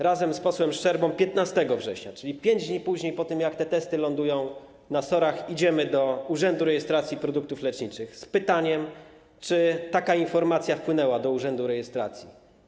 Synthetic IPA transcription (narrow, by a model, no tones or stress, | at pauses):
ɾazɛmspɔswɛmʂt͡ʂɛɾbɔ̃w̃pʲjɛt̪nast̪ɛɡɔvʐɛɕɲa̰t͡ʂɘlʲipʲjeɲd͡ʑd̪ɲipuʑɲejpɔt̪ɘmjakt̪ɛt̪ɛst̪ɘlɔnd̪ujɔ̃w̃ | nasɔɾaxid͡ʑɛmɘd̪ɔuʐɛnd̪uɾɛjɛst̪ɾat̪sʲjipɾɔd̪uk̚t̪uflɛt͡ʂɲit͡ʂɘxspɘt̪aɲɛm | t͡ʂɘt̪akainfɔɾmat̪sʲjafpwɘnɛwad̪ɔuʐɛnd̪uɾɛjɛst̪ɾa̰t̪sʲjḭ